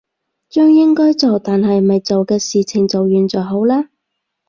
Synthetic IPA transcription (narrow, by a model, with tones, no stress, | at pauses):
t͡ʃœː˥ŋjɪ˥ŋkɔː˥jt͡so˨wt̪aː˨nɦɐ˨jmɐ˨jt͡so˨wkɛː˧siː˨˩t͡sʰɪ˨˩ŋt͡sɐ˨wjyː˨nt͡sɔː˨˩ɦo˨˥wlaː˥